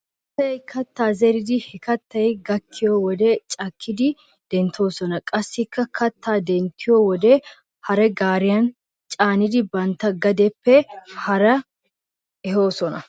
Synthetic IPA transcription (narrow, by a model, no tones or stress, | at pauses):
ɐt̪ːɐjkʰɐt̪ːaːzɛɾɪd̪ɪhɛkɐt̪ːɐjɡɐkʰːɪjowɔd̪ɛt͡ʃʼɐkʰːɪd̪ɪ | d̪̥ɛnt̪ʰːo̞ːsɔnɐkʼɐsːɪkːɐkʰɐt̪ːaːd̪ɛnt̪ːɪjowɔd̪ɛ | hɐɾɛɡaːɾɪjɐn | t͡ʃʼaːnɪd̪ɪbɐnt̪ːɐɡɐd̪ɛpːɛhɐɾɐ | ɛɦo̞ːsɔnɐ